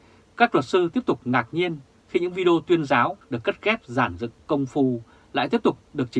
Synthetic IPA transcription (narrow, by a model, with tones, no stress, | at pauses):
kaː˦˥k̚lwə˨˩t̚sɨ˧t̪i˦˥əp̚t̪ʊ˨˩k͡p̚ŋaː˨˩k̚ɲi˧ən | xi˧ɲɨ̰˧˥ŋvi˧ɗe˧o˧t̪wi˧ənzaː˨˦wɗɨ˨˩əkːə˦˥t̚kɛ˦˥p̚zaː˧˩nzɨ̰˧˨ŋkə˧wŋ͡mfu˧˩ | la̰ː˧˨t̪i˦˥əp̚t̪ʊ˨˩k͡p̚ɗɨ˨˩ək̚t͡ɕi˨˦